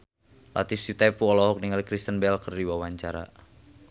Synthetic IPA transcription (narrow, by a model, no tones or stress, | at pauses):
la̰t̪ifsit̪apuɔlɔɦɔk̚niŋalikɾist̪ənbɛlkərdiwawaɲt͡ʃaɾa̰